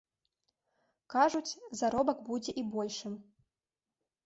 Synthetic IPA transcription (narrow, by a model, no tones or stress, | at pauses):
kaʐut͡sʲzaɾɔbɐkbud͡zʲɛʔibɔlʲʂɨm